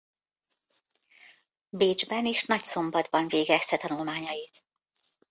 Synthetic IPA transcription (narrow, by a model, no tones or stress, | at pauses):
beːd͡ʒbɛneːʃnɒcso̞mbɒd̪bɒɱveːɡɛst̪ɛt̪ɒnulmaːɲɒjit̪